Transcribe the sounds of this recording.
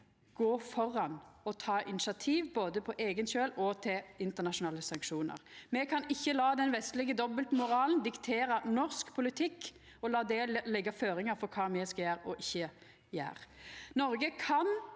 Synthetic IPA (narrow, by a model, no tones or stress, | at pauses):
ɡ̥oːfɔɾɑnɔt̪ʰɑːʔɪnɪʃɑt̪ʰiːʋboːd̪əpʰɔʔeːɡənɕøːlɔt̪ʰɪlɪnt̪əʁnɑʃʊnɑːləsɑŋkʂuːnə̰ʁmɛkʰɑnɪçːəlɑːd̪ɛnʋɛst̪lɪɡəd̪ɔbəlt̪mʊɾɑːlnd̪ɪkt̪ʰeːɾɑnɔʁskpʰʊlɪt̪ʰɪkː | ɔlɑːd̪ɛlɛɡɑføːɾɪŋɑɾfɔʁkʰɑːmɛskɑjæːɾɔʔɪçːə | jæ̰ːʁnɔɾɡəkʰɑn